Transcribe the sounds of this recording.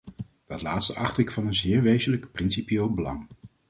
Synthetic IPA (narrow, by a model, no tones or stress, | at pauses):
d̥ɑtlaːtstəʔɑχtɪkfɑnənzɪːɹʋejzələkprɪnsipjeːlˠbəlɑ̰ŋ